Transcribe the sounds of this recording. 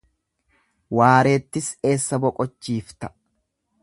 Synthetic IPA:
waːɾe̞ːt̪ːɪse̞ːsːɐbɔkʼɔt͡ʃːiːft̪ɐ

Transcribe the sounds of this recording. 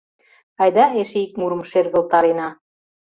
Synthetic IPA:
ɑjd̪ɑeʃeik̚muɾə̆mʃerɣə̆lt̪ɑɾenɑ

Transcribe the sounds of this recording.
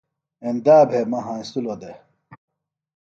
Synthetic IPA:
end̪aːbʱemɐɦãːĩst̪ulod̪e

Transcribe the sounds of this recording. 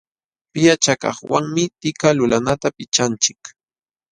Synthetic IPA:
pɪjat͡ʃakɑ̰χwa̰ŋmɪt̪ɪkalʊlanat̪apɪt͡ʃant͡ʃɪk

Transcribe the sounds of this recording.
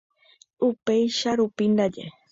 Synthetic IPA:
upejʃaɾupind̪ad͡ʒḛ

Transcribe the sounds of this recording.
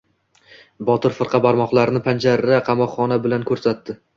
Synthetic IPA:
bɒt̪ɪɾfɨɾqʰɑbaɾmɒχlˠaɾnɪpʰand͡ʒaɾːaqʰɑmɒqχɒnabɪlankʰɵɾsat̪ːɪ

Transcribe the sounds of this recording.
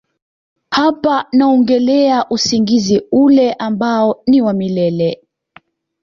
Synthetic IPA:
hapanaɔŋɡɛlɛaʔusiŋɡiziulɛʔambaɔniwamilɛlɛ

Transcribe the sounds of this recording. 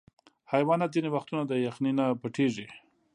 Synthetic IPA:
hajwɑnat̪̚zinewaxt̪unad̪əjaxninapaʈʰeʐi

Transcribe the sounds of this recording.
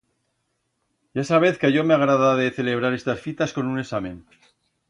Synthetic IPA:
ʝaesaβ̞e̞θkaʝo̞meaɣɾaðaðeθe̞le̞β̞ɾaɾe̞st̪asfit̪asko̞nune̞samẽ̞n

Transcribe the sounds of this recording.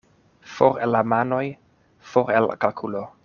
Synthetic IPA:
foɾelamano̞j | foɾel̰kalkʰulo

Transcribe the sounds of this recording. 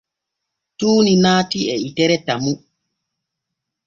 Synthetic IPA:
tuːninaːtiɛitɛɾɛtamu

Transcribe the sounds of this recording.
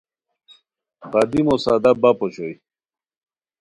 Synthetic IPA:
ʁɐd̪imosad̪abapoɕoj

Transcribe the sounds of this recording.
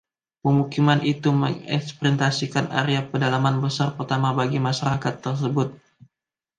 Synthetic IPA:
pəmukimanʔit̪uməŋɛ̰kspɾint̪asikana̰ɾeapədalamanbəsarpərt̪amabaɡimaʃaɾakat̪ːərs̬əbʊt̪̚

